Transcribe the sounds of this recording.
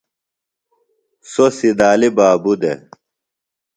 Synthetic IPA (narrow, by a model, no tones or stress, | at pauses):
sosid̪aːlibaːbud̪e